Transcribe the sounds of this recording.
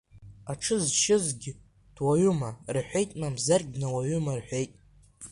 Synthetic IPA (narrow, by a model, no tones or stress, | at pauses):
aʈ͡ʂʰɨzʃɪzɡʲɪ | d̥waɥʊmarħʷe̞jtʼmamzarɡʲnawaɥʊmarħʷe̞jtʼ